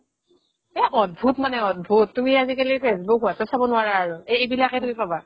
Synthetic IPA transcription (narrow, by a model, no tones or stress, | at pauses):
ɛʔɔt̚bʱutmanɛɔt̚bʱutːumiazikelipʰesbɔkɦuatɔsabɔnʊaɹaːɹʊeejbilakɛtumipaba